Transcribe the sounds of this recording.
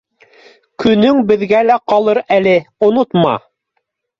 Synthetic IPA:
kɵ̆nɵŋbɘ̆ðɡælæqɑlˠɤɾælɘŏnot̪mɑ̰

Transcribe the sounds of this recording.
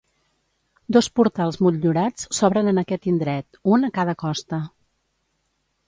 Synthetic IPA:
d̪ospuɾt̪alˠzmuʎʎuɾat͡ssɔβɾənənəkɛt̪ind̪ɾɛt̪unəkað̞əkɔst̪ə

